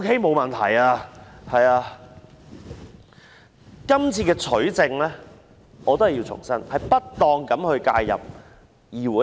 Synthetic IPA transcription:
okʰe˥jmo˨˧wmɐ˨nt̪ʰɐ̰˨˩jaː˧hɐ˨jaː˧ | kɐ˥mt͡sʰiː˧kɛː˧t͡sʰɵ˨˥ɥt͡sɪ˧ŋlɛː˥ | ʔɔː˨˧t̪o˥hɐ˨˩ji˧wt͡sʰʊ̰˨˩ŋsɐ˥nhɐ˨˩jpɐ˥t̚t̪ɔː˧ŋkɐ˨˥mhɵ˧ɥka̰ː˧jjɐ̰˨p̚ | jiː˨˩wuː˨˥

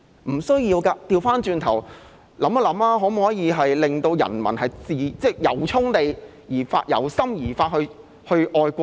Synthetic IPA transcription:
m̩˨˩sɵ˥jiː˧wkaː˧t̪iː˧wfaː˥nt͡ʃyː˧nt̪ʰɐ˨˩w | lɐ˨˥ma˨lɐ˨˧˥mlaː˥ɦɔː˨˥m̩˨˩hɔː˨˥jiː˨˧ɦɐ˨jlɪ˨ŋt̪o˧wjɐ̰˨˩nmɐ̰˨˩nhɐ˨jt͡siː˨t͡sɛː˥˩jɐ̰˨˩wt͡sʰʊ˥ŋt̪e˨j | jiː˨˩fa̰ː˧t̚jɐ̰˨˩wsɐ˥mjiː˨˩faː˧t̚hɵ˧ɥ | hɵ˧ɥʔɔː˧jkʷɔː˧

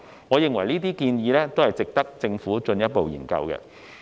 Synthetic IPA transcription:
ŋɔː˨˧jɪ˨ŋwɐ˨˩jniː˥t̪̬iː˥kiː˧njiː˨˧lɛː˥t̪o˥whɐ˨jt͡sɪ˨k̚t̪ɐ˥k̚t͡sɪ˧ŋfuː˨˥t͡ʃɵ˧njɐ˥t̚po˨wjiː˨˩nkɐ̰˧wkɛ̰˧

